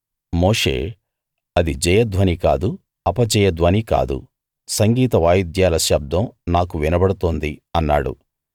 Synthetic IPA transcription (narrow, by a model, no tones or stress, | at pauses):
mo̞ːʂḛː | ɐd̪id͡ʒɐjɐd̪ʋɐnika̰ːd̪u | ɐpɐd͡ʒɛjɐd̪ʋɐnika̰ːd̪ṵ | sɐŋɡiːt̪ɐʋaːjid̪jaːlɐʃɐb̚d̪ɐmnaːkuʋinɐbɐɽut̪oːnd̪iɐnːaːɽṵ